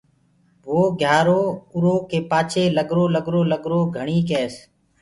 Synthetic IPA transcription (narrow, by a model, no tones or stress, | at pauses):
ʋoːɡʱjaːɾoːʊɾoːkeːpaːt͡ʃʰeːləɠɾoːləɠɾoːləɠɾoːɡʱəɳ̃iːkeːs